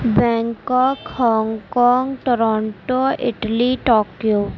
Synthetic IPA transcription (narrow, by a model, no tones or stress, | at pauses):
bɛ̃ːŋkɔːkhɔːŋɡkɔːŋɡʈoɾɔːɳʈoɪʈəliʈɔːkjoː